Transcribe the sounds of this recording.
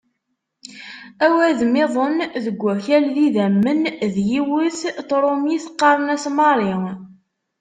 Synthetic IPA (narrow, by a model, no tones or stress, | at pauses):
æwæðmɪðˤənðəɡʷːæçælːiðæmːənðjiwʊθθɾˤomiθə̥qːɑɾˤənæsmɑɾˤi